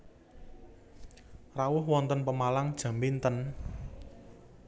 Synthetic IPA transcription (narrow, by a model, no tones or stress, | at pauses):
rawʊhwɔnt̪ənpəmalaŋd̥ʒ̥ä̤mbint̪ən